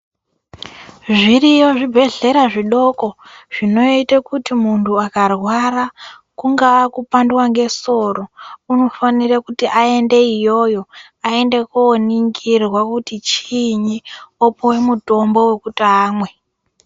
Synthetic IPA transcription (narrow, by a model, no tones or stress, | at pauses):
ʐirijo̞ʐibʱe̞ɮe̞ɾaʐiɗo̞ko̞ʐ̥ino̞itakutimuntʰuakarwara | kuŋɡaakupandwaŋɡe̞so̞rouno̞fanirakutiʔae̞nde̞ijo̞jo̞ | ae̞ndekoːniŋɡirwakutit͡ʃiɲiopowe̞muto̞mbo̞we̞kutaːmwe̞